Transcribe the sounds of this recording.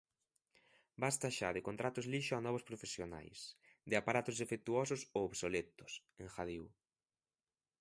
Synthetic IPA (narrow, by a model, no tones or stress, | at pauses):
bast̪aʃa̰ðekont̪ɾat̪ʊzliʃʊanɔβ̞ʊspɾofesjona̰js | d̪ɪapaɾat̪ʊzðefek̚t̪uɔsʊsooβsolet̪ʊ̥s | ẽŋxaðiw